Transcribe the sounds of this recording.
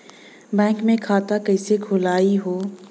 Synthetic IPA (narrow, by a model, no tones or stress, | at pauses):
bɛ̃ːŋkmẽkʰaːt̪akɛɪsekʰʊlaːiɦoː